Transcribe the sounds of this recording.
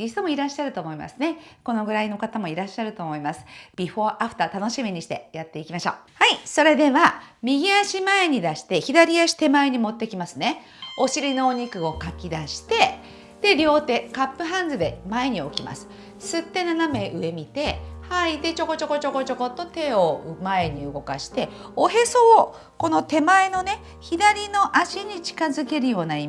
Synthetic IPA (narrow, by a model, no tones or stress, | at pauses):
ist̪omo̞iɾaɕːaɾɯt̪o̞ːmo̞ima̰sɨne̞ko̞no̞ɡɯ̟ɾaino̞kat̪amo̞iɾaɕːaɾɯ̟t̪o̞ːmo̞imasɨ̥b̥ʲiɸo̞ʔaɸɯ̟̥t̪at̪ano̞ɕimʲiɲ̟iɕi̥t̪e̞̰jat̪ːe̞ikʲimaɕo̞ːhaiso̞ɾe̞d̪e̞βamʲiɡʲiaɕimae̞ɲ̟id̪aɕi̥t̪e̞çid̪aɾʲiaɕi̥t̪e̞mae̞ɲ̟imo̞t̪ːe̞kʲimasɨne̞ | o̞ɕiɾʲino̞ːɲ̟ikɯ̟o̞kakʲid̪aɕi̥t̪e̞ | d̪̥e̞ɾʲo̞ːt̪e̞kapːɯ̟ɦãnd͡zɨd̪e̞mae̞ɲ̟io̞̰kʲima̰sɨ̥ | sɨt̪ːe̞naname̞ʔɯ̟e̞mʲit̪e̞hait̪e̞t͡ɕo̞ko̞t͡ɕo̞ko̞t͡ɕo̞ko̞t͡ɕo̞ko̞t̪ːo̞t̪e̞omae̞ɲ̟iɯ̟ɡo̞ka̰ɕi̥t̪e̞ | o̞ɦe̞so̞ː | ko̞no̞t̪e̞mae̞no̞ne̞ | çid̪aɾʲino̞ʔaɕiɲ̟it͡ɕi̥kazɨke̞ɾɯ̟jo̞ːnaim